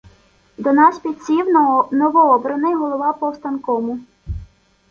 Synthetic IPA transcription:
d̪ɔnɑspʲid̪̚ʲt͡sʲiwnɔʋɔɔbɾɐnɪjɦɔlˠɔʋɑpɔwst̪ɐnkɔmʊ

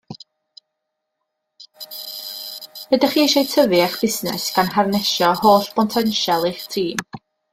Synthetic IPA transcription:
bədaχiːejʃejtʰəvɪaχb̥ɪsnɛ̰sɡ̥anharnɛʃɔhoːɬpʰɔntʰɛnʃɛlˠeχtʰiːm

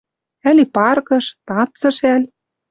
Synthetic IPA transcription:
ælipɑrkɤ̆ʃt̪ɑt͡sɤ̆ʃælʲ

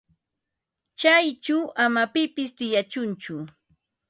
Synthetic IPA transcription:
t͡ʃajt͡ʃawamapɪpɪst̪ɪjat͡ʃʊnt͡ʃʊ

